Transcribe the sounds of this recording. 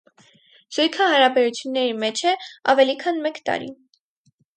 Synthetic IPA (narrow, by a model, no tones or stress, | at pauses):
z̥ujkʰəhɑɾɑbɛɾut͡sʰjunːɛɾimɛt͡ʃʰɛɑvɛlikʰɑnmɛkt̪ɑ̰ɾḭ